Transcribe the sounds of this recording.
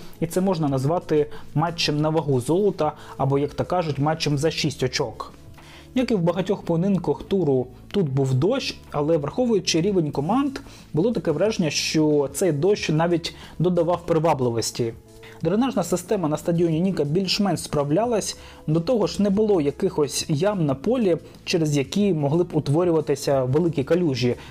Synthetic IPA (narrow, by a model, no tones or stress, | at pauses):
it̪sɛmɔʒnɐnɐzʋɑt̪ɪmɛt͡ʃːɪmnɐʋɐɦuzɔlˠɔt̪ɐɐbɔjɐkt̪ɐkːɑʒʊtʲmat͡ʃːɪmzɐʃisʲtʲɔt͡ʃɔk | jʲakɪwbɐɦɐtʲɔxpɔnɪnkɐxt̪uɾʊ | t̪ut̪buwd̪ɔʃ | ɐlˠɛʋɐrxɔʋʊjʊt͡ʃɪɾʲiʋenʲkɔmɑnd̪ | bʊlˠɔt̪ɐkɛʋɾɛʒenʲːɐʃt͡ʃɔt̪sɛjd̪ɔʃnɑʋʲitʲ | d̪ɔd̪ɐʋɑwpɾɪʋɑblˠɪʋɔsʲtʲi | d̪ɾenɑʒnɐsɪst̪ɛmɐnɐst̪ɐdʲiɔnʲinʲikɐbʲilʲʃmɛnʃspɾɐwlʲalˠɐsʲ | d̪ɔt̪ɔɦɔʃnɛbʊlˠɔjɐkɪxɔsʲjɑmnɐpɔlʲi | t͡ʃɛɾezjɐkʲimɔɦlˠɪbʊt̪ʋɔɾʲʊʋɐt̪ɪsʲɐʋelˠɪkʲikɐlʲuʒʲji